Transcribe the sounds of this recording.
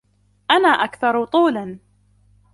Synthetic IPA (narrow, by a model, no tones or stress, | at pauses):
ʔanaːʔakθɑɾˤʊt̪ˤuːlan